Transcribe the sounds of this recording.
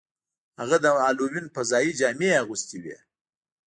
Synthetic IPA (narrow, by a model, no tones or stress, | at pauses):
haɣad̪əɑluwinpəzɑjid͡ʒɑmeaɣust̪iwḛ